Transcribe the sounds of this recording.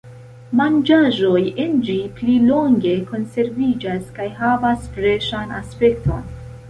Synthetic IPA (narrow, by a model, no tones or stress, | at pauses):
mand͡ʒaʒo̞jend͡ʒiplilo̞ŋɡe̞ko̞nse̞ɾvid͡ʒaskajɦavasfɾe̞ʃana̰spe̞ktʰo̞̰n